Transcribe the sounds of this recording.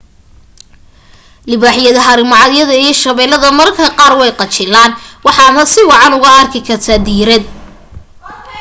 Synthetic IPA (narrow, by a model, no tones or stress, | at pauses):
lɪβaːħɪjɐðɐɦɐɾɪmɑʕɑðjɐðɐijʃɐβɛːlɐðɐmɐrkʰɐqɑːrwɛjqɑt͡ʃɪlaːnwɑħɑnɐsɪwɑʕɑnʊɣɐɐrkʰɪkʰɐrt̪ʰɐd̪iːɾɛd̪̚